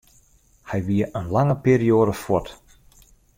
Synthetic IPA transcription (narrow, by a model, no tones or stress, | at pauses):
hɛjʋiəʔənlaŋəpiːɾioːdəfɔt